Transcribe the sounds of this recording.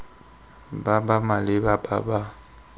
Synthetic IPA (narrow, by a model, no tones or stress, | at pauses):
babamalɪbaba̰ba